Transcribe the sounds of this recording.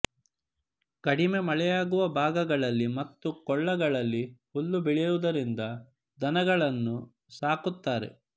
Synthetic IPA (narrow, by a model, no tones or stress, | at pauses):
kɐɽime̞mɐɭɛjaːɡuʋɐbʱaːɡɐɡɐɭɐlːimɐt̪ːukɔɭːɐɡɐɭɐlːi | olːubiɭiɾud̪ɐɾind̪ɐ | d̪ɐnɐɡɐɭɐnːu | saːkut̪ːaːɾe̞̰